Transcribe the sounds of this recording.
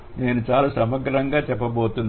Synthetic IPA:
ne̞ːnut͡ʃaːlaːsɐmɐɡɾɐŋɡaːt͡ʃɛpːɐbo̞ːt̪un

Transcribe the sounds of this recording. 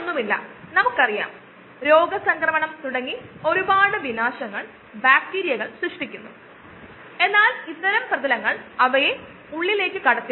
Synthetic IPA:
onːumilːɐ̰nɐmukːɐrija̰ːm | ɾo̞ːɡɐsɐŋkrɐmɐɳɐmt̪uɽɐŋːio̞ɾubaːɽɨʋinaːɕɐŋːɐɭ | bjaːk̚ʈiːɾijɐɣɐɭsriʂʈikʲːunːu | e̞nːaːlit̪ːɐɾɐmprɐðɐlɐŋːɐɭɐʋɐje | uɭːile̞ːkːɨkɐɽɐt̪ːi

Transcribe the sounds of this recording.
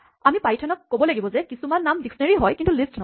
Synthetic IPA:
amipajtʰɔnɔkːobɔlaɡibɔzɛkisumanːamdiksɔneɹiɦɔjkintulistnɔ

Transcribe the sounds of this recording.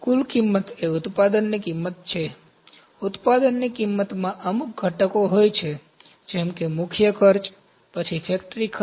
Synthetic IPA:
kulkimːət̪eut̪pad̪ənnikimːət̪t͡ʃʰe | ut̪pad̪ənːikimːət̪mãʔəmuk̚ɡʱəʈəkoɦojt͡ʃʰe | d͡ʒɛmkemukʰjəkʰəɾt͡ʃ | pət͡ʃʰifʰek̚ʈɾikʰ

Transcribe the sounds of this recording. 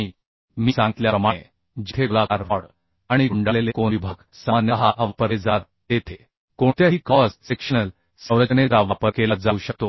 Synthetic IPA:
i | miːsãŋɡ̪ljaɾəmae | d͡ʑit̪ʰelakaɾʋaɽ | aɽ̃iɡuɳɖalelekonʋibʱaɡ | səmanjəɦaʔəʋəpəɾed͡zaɾ | d̪et̪ʰe | koɳt̪jaɦiːkɔssekɕənəl | səwɾəd͡ʑəneɾaʋapəɾkelət̪̚d͡zauɕək̚t̪o

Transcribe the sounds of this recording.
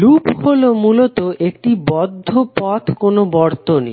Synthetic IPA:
lupholomulot̪oʔekʈibɔd̪ʱːopɔt̪ʰkonobɔɾt̪onḭ

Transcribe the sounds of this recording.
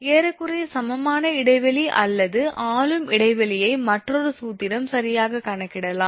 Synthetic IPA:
eːɾɐkːɯrɐjɐsɐmɐmaːnɐɪɽɐɪʋɐliʔɐ̰lːɐðɯʔaːlɯmɪɽɐɪʋɐlɪjɐɪmɐʈrɔɾɯsuːt̪ːɪɾɐmsɐɾɪjaːɣɐkɐɳɐkːɪɽɐlãː

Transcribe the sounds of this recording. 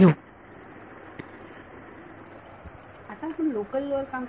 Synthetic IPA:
u | at̪ãpunlokəlːoɾkãm

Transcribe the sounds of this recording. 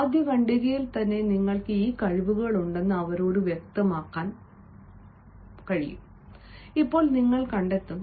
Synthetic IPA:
d̪ʱjɐʋɐɳɖiɾijilt̪ɐnːe̞niŋːɐɭkɨiːkɐɻiʋuɣɐɭuɳɖe̞nːɨɐʋɐɾo̞ːɾuʋjek̚t̪ɐmaːkːaːn | kɐɻḭjṵm | ipːo̞ːɭniŋːɐɭkɐɳɖe̞t̪ːum

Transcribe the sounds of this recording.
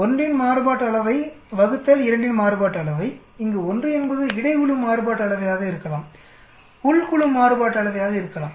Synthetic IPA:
ɔndrɪnmaːɾɯbaːʈːɐɭɐʋɐɪ | ʋɐɣɯt̪ːɐlɪɾɐɳɖɪnmaːɾɯbaːʈːɐɭɐʋɐɪ | ɪŋɡeːɔndrɯɛnbɐðɯɪɽɐɪkʊɭɯmːaːɾɯbaːʈːɐɭɐʋɐjaːɣɐɪɾɯkːɐlaːm | ʊɭkʊɭɯmːaːɾɯbaːʈːɐɭɐʋɐjaːɣɐɪɾɯkːɐlaːm

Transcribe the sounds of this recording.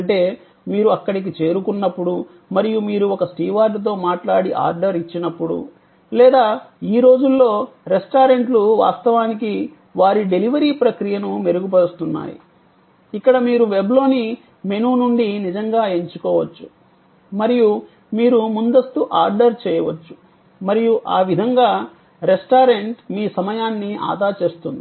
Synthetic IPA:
ɐɳʈe̞ː | miːɾuɐkːɐɽik̬it͡ʃe̞ːɾukunːɐpːuɽu | mɐɾijumiːɾuɔkɐsʈiːʋaːɾɖt̪̬o̞ːmaːʈlaːɽiʔa̰ːɾɖɐɾit͡ʃːinɐpːuɽṵ | lɛːd̪aːiːɾo̞ːd͡ʒulːo̞ːɾesʈaːɾe̞ɳʈluʋa̰ːst̪ɐʋaːniki | ʋaːɾiɖe̞liʋɐɾiːpɾɐkɾijɐnume̞ɾuɡup̬ɐɽust̪unːa̰ːjḭ | ikːɐɽɐmiːɾuʋe̞blo̞ːni | me̞nuːnuɳɖinid͡ʒɐŋɡaːe̞ɲt͡ʃukɔːʋɐt͡ʃːu | mɐɾiju | miːɾumund̪ɐst̪uʔaːɾɖɐɾt͡ʃɛːjɐʋɐt͡ʃːu̥ | mɐɾijuʔaːʋid̪ʱɐŋɡaː | ɾesʈaːɾe̞ɳʈmiːsɐmɐjaːnːia̰ːd̪aːɾt͡ʃe̞ːst̪und̪i

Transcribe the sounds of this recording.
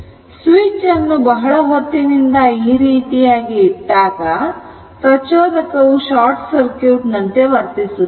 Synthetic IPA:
sʋit͡ʃɐnːubɐɦɐɭɐɦot̪ːinind̪ɐiːɾiːt̪ijaːɡiːɖːaːɡɐ | pɾɐt͡ʃoːd̪ɐkɐʋuʃaːɾʈsɐɾkjuːʈnɐnt̪e̞ʋɐɾt̪isu

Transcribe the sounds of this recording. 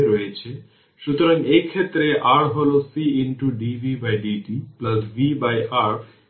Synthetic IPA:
eɾojet͡ɕʰe | ʃut̪oɾaŋekʰet̪ːɾeʔaɾɦolosiiɳʈuɖibʱibajɖiɖiplɐsbibajʔaɾ

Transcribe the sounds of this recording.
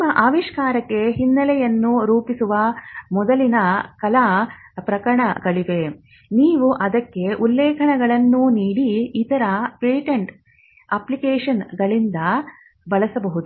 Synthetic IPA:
nmːɐʔaːʋiʂkaːɾɐkːe̞ɦinːɐlɛjɐnːuɾuːpisuʋɐmɔd̪ɐlinɐkɐlaːpɾɐkɐɾɐɳɐɡɐɭiʋe | niːʋuʔɐd̪ɐkːe̞ʔulːɛːkʰɐɳɛɡɐɭɐnːuniːɽiːt̪ɐɾɐpeːʈeɳʈ | ɐplikeːʂɐnɡɐɭind̪ɐ | bɐɭɐsɐbɐɦud̪u

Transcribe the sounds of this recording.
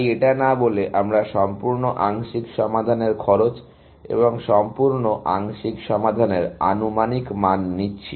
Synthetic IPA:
jeʈanaboleʔamɾaʃɔmpuɾnoʔaŋʃikʃɔmad̪ʱaneɾkʰɔɾot͡ɕ | ḛboŋʃɔmpuɾnoʔaŋʃikʃɔmad̪ʱaneɾa̰numanikmanːitːɕʰi

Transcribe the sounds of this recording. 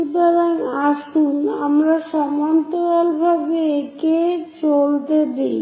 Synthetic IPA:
ipad̪anaʃuna̰mɾaʃɔmant̪oalbʱabeeket͡ɕolt̪ed̪ej

